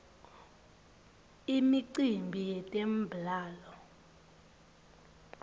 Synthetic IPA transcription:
imiǀimbʱijɛtʼem̩bʱlaːlɔ

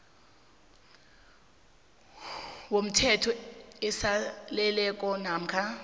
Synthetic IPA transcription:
wom̩tʰɛtʰɔɛsalɛlɛk̬ʼɔnam̩kʰa

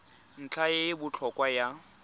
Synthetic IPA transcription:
n̩t͡ɬʰajebʊt͡ɬʰɔkʼwaja

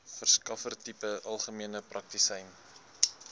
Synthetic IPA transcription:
fərskɐfərtipəʔɐlˠχəmiənəprʔɐk̚tisɛjn

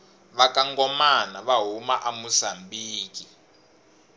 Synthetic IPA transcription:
βakaŋɡɔmanaβaɦumaʔamusambiːki

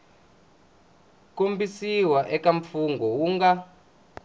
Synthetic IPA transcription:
kombisiwaʔɛkaɱfuŋɡɔwuːŋɡa

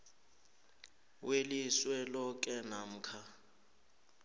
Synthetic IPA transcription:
weliswɛlɔk̬ʼɛnam̩kʰa

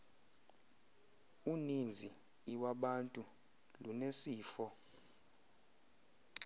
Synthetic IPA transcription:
unind͡zʱiː | waɓantʼu | lunesiːfɔ

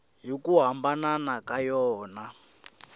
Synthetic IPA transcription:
ɦikuɦambananakajɔːna

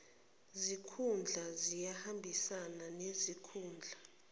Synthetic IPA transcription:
zikʰund͡ɮʱazijahambʱisananezikʰuːnd͡ɮʱa

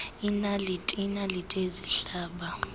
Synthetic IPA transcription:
inalitʼinalitʼeziɬaːɓa

